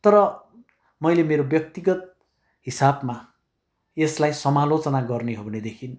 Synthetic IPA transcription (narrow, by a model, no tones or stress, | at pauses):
t̪ʌɾʌ | mʌjlemeɾobjʌk̚t̪iɡʌt̪̚ | ɦisabma | eslajsʌmalot͡sʌnaɡʌrneɦobʱʌned̪ekʰin